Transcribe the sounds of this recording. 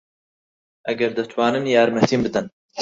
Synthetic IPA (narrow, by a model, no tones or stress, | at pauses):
ʔɐɡɐɾd̪ɐt̪ʰwaːnɨnjaːɾmɛt̪ʰiːmbɨd̪ɨn